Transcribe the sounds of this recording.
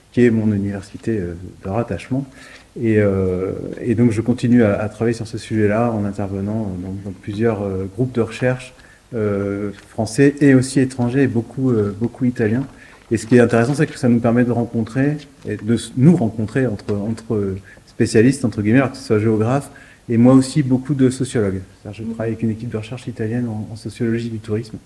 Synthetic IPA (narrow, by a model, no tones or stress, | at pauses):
kʲiɛmɔ̃nynivɛʁsit̪eød̪əʁat̪aʃmɑ̃ | eø | ḛd̪ɔ̃kʒəkɔ̃t̪inyaat̪χavajesyʁsəsyʒɛlaɑ̃nɛ̃t̪ɛʁvənɑ̃ød̪ɑ̃d̪ɑ̃plyzjœʁøɡʁup̚d̪əʁəʃɛʁʃ | øfχɑ̃sɛʔeosiet̪χɑ̃ʒeːbokʰuøbokʰuit̪aljɛ̃ | esə̥kʲiɛt̪ɛ̃t̪eʁɛsɑ̃s̬ɛkə̥sanupɛʁmɛd̪əʁɑ̃kɔ̃t̪χe | ed̪ənuʁɑ̃kɔ̃t̪χeɑ̃t̪χəɑ̃t̪χə | spesjalist̪ɑ̃t̪χəɡimɛalɔʁkisswaʒeɔɡʁaf | emwaosibokud̪əsɔsjɔlɔɡst̪ad̪iʁʒət̪χavajavɛkʲynekʲip̚d̪əʁəʃɛʁʃit̪aljɛnɑ̃ːsɔsjɔlɔʒid̪yt̪uʁism